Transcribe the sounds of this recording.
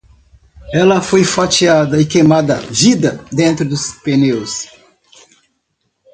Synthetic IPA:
ɛlɐfojfat͡ʃiad̪ɐɪkejmad̪ɐvid̪ɐd̪ẽnt̪ɾʊd̪ʊspenews

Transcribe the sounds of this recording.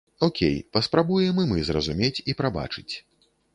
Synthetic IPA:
ɔkʲḛjpɐspɾabujɛmɨmɨzrɐzumʲet͡sʲipɾaba̰t͡ʂɨt͡sʲ

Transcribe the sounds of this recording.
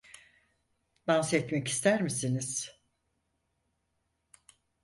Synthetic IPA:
b̪ansɛt̪mɛci̥st̪ʰæɾmisiniz̥

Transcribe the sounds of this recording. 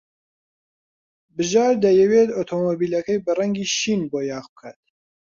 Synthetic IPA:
bɨʒɑːɾd̪ɐjɛwet̪ot̪ʰoːmoːbiːlɐkɐjbɨrɐŋɡiːʃiːnboːjɑːʁbɨkʰa̰ːt̪̚

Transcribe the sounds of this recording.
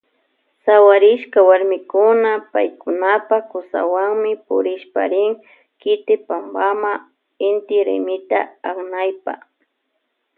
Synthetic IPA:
sawaɾɪʃkawaɾmɪkʊnapajkʊnapakʊsa̰waŋmɪpʊ̰ɾɪʃpa̰ɾɪŋ | kɪt̪ɪpambama | ɪnt̪ɪɾḛmɪt̪a̰aknajpa̰

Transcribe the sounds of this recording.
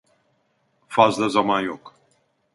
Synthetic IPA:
fazd̪əzamajɔk

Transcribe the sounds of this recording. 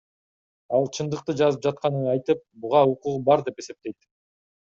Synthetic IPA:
ɑlˠt͡ʃʰɯnd̪ɯq̚t̪ɯd͡ʒɑzɯp̚d͡ʒɑt̪̚qɑnɯɑjt̪ɯp̚buʁɑuquʁubɑɾd̪e̞pe̞se̞p̚t̪e̞jt̪

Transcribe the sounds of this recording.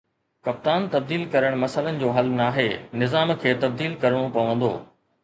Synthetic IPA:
kɐp̚t̪aːnt̪ɐb̚d̪iːlkɐɾəɽ̃mɐsələnɪ̆d͡ʑoːɦɐlnaːɦeːnɪzaːmkʰeːt̪ɐb̚d̪iːlkɐɾəɽ̃õpɐʋə̃nd̪o̰ː

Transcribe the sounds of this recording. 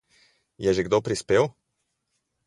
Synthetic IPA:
jɛʒɛɡd̪opɾispeːw

